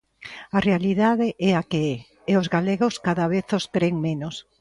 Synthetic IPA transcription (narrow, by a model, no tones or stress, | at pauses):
arealiðaðɪʔɛakeɛ | eozɣaleɣoskaðaβeθoskɾeŋmenos